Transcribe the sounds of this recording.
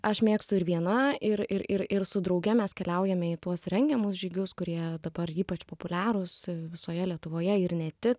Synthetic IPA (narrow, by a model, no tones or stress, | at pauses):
ɐʃmʲeːkst̪ʊɪɾʋʲiɛnɐɪɾɪɾɪɾɪɾsʊd̪ɾɐʊɡʲɛmʲɛskʲɛlʲɛʊjɛmʲɛɪt̪uɔsɾʲɛŋʲɡʲɛmʊsʒʲiːɡʲʊskʊɾʲiɛd̪ɐbɐɾiːpɐt͡ʃpoːpʊlʲæːɾʊsʋʲɪsoːjɛlʲiɛt̪ʊʋoːjɛɪɾnʲɛt̪ʲɪk